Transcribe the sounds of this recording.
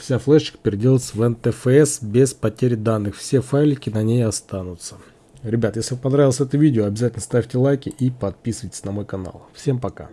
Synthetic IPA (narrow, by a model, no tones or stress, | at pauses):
fsʲaflˠɛɪ̥kpʲɪɾʲɪdʲelˠət̪səvɛnt̪ɛfɛɛsbʲespɐtʲeɾʲɪd̪anːɨxfsʲe̞fajlʲɪkʲɪnɐnʲejɐst̪anʊt̪sə̥ | ɾʲɪbʲat̪jeslʲɪvampɐnɾavʲlˠəsʲɛt̪əvʲidʲɪoɐbʲɪzatʲɪlnəst̪afʲtʲɪlˠajkʲɪʔipɐt̪̚pʲisɨvəjtʲɪ̥sʲnɐmo̞jkɐna̰lˠfsʲe̞mpɐka̰